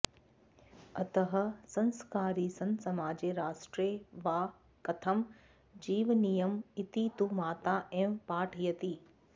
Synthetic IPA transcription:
ɐt̪əɦɐ̆sɐ̃nskaːɾisɐ̃nsɐmaːd͡ʑeɾaːʃʈɾeʋaː | kɐt̪ʰəm | d͡ʑiːʋnijəmɪt̪it̪umaːt̪aʔɛ̃ːʋpaːʈʰijɐt̪iː

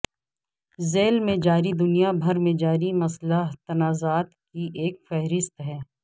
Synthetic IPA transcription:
zeːlmẽd͡ʒaːɾid̪ʊnijabʱɐɾmẽd͡ʒaːɾimɐslaɦt̪ɐnaːzaːt̪kiʔeːkfɛɦɾɪst̪ɦɛː

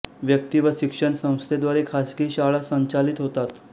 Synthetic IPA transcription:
ʋjək̚t̪iʋəɕikʂəɳsə̃w̃st̪ʰed̪ʋaɾekʰasɡiːɕaɭasəɲt͡ɕalit̪ɦot̪at̪

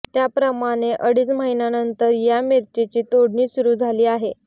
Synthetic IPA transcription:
t̪japɾəmaɽ̃eʔəɽiːt͡sməɦinanənt̪əɾjameɾt͡ɕit͡ɕiːt̪oɽɳiːsuɾuːd͡zʱaliːaɦe

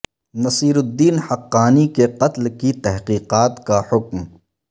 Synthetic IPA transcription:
nɐsiːɾʊd̪ːiːnhɐqːaːnikeqɐt̪lkit̪ɛɦqiːqaːt̪kahʊkm

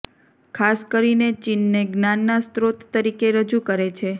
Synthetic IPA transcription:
kʰaskəɾinet͡ʃinːeɡnanːast̪ɾot̪ːəɾikeɾəd͡ʒukəɾet͡ʃʰe

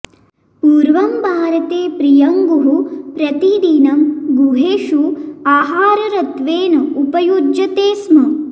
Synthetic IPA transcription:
puːɾʋɐmbʱaːɾɐt̪eːpɾijɐŋɡuɦupɾɐt̪id̪inɐmɡuɦeːʃuaːɦaːɾɐɾɐt̪ʋeːnɐupɐjud͡ʒjɐt̪eːsmɐ

